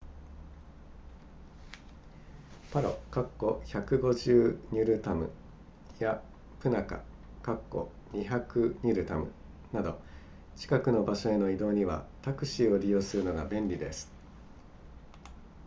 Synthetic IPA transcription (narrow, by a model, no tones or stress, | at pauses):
paɾo̞̰kakːo̞çakɯ̟ɡo̞ʑɨːɲ̟ʲiɾɯ̟t̪amɯ̟̰ | ja | pɯ̟naka̰ | kakːo̞̰ | ɲiçakɯ̟ɲ̟iɾɯ̟t̪amɯ̟ | nad̪o̞̰ | t͡ɕi̥kakɯ̟no̞baɕo̞e̞no̞id̪o̞ːɲ̟iβa̰t̪akɯ̟ɕiːo̞ɾʲijo̞ːsɨɾɯ̟no̞ɡa̰bẽ̞nɾʲid̪e̞sɨ̥